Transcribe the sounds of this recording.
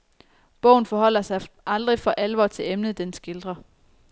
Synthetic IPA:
b̥ɔʊn̩fɒ̽ɦɒ̽l̰ɐsɑ̈ɪʔɑ̈ld̥ʁifɒ̽ʔælʋɒ̰ːt͡sʰe̝lemnəð̩ˠd̥ensɡ̥eld̥ʁɐ

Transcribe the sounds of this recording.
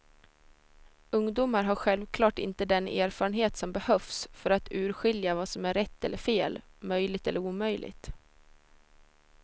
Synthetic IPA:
ɵŋd̪uːmaɾɦaɾɧɛlvkʰlɑːʈɪ̰nt̪əd̪ɛnḛːɾfɑːɾənɦeːt̪sɔmbɛhœfsfœɾat̪ʉ̟ːɾɧɪljavasɔmæɾɛt̪ːɛlːəɾfeːlmœjlɪɡt̪ɛlːəɾuːmœjlʔɪ̰ɡt̪

